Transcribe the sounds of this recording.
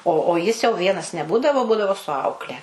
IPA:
oː oː ˈjɪs jɛʊ ˈʋʲiɛnɐs nʲɛˈbuːdɐʋoː ˈbuːdɐʋoː sʊ ˈɐʊklʲɛ

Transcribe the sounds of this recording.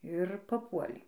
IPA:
ɪr pɐˈpuɔlʲɛɪ

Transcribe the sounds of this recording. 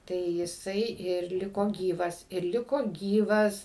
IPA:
tɐɪ jɪˈsɐɪ ɪr ˈlʲɪkoː ˈɡʲiːʋɐs ɪr ˈlʲɪkoː ˈɡʲiːʋɐs

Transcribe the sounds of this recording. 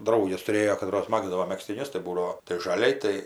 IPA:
ˈdrɐʊɡʲɛs tʊˈrʲeːjoː kɐˈtroːs ˈmɑːɡzdɐʋoː mʲɛksʲtʲɪˈnʲʊs tɐɪ ˈbuːdɐʋoː tɐɪ ʒɐˈlʲɛɪ ˈtɐɪ

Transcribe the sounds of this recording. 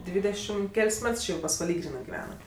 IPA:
ˈdʲʋʲiːdʲɛʃʲɪm ˈkʲɛlʲsʲ ˈmʲɛts ˈt͡ʃʲɪ jɛʊ pɐsʋɐˈlʲiː ˈɡrʲiːnɜ ɡʲɪˈʋʲæːnɐt

